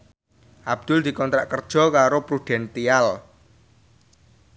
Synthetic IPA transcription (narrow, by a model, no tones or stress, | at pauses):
ʔab̚d̪̥ʊld̪̥i̤kɔnt̪ɾaʔkərd̥ʒ̥ɔ̤kaɾopɾuɖ̪̥ɛ̤nt̪ial